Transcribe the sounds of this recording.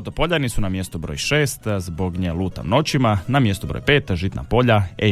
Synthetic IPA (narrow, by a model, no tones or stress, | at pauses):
t̪opoʎanisunamje̞st̪ubɾo̰jʃeːst̪zbo̞ɡɲelˠuːt̪a̰mno̞t͡ɕimanamje̞st̪ubɾo̰jpeːt̪ʒit̪na̰po̞ʎae